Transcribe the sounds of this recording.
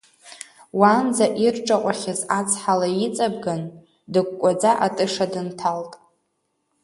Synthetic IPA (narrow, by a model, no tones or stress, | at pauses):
wand͡zaʔirʈ͡ʂʼaqʷʼaχʲɪzat͡sʰħalait͡sʼabɡan | dɨɡ̚ʷkʷʼad͡zaʔatʼɨʂadɨntʰaltʼ